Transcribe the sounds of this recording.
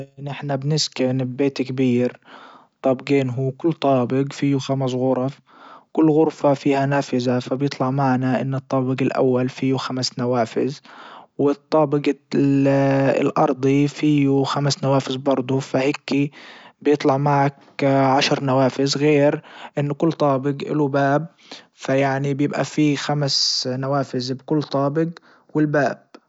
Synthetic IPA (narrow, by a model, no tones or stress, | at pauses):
ʔʔnʔɪħnabnɪskɪnbbeːt̪kbiːɾ | t̪ˤɑːbɡeːnɦukʊlːt̪ˤɑːbɪɡfiːjuxams̬ɣʊɾˤɑf | kʊlːɣʊɾfafiːhanaːfɪzafabjɪt̪ˤlɑʕmaʕnaʔɪ̰nːɨt̪ˤːɑːbɪɡɪlʔa̰wːalfiːjuxamsnawaːfɪ̰zwɪt̪ˤːɑːbɪɡ | ɪ̰lʔɑ̰ɾˤd̪ˤifiːjuxamsnawaːfɪzbɑɾˤd̪ˤufahɪkːibjɪt̪ˤlɑʕmaʕak | ʕaʃɾnawaːfɪzɣeːɾʔɪnːʊkʊlːt̪ˤɑːbɪɡʔɪ̰lubaːb̚ | fajaʕnibjɪbʔa̰fixamsnawaːfɪzbkʊlːt̪ˤɑːbɪɡ | wɪlbaːb̥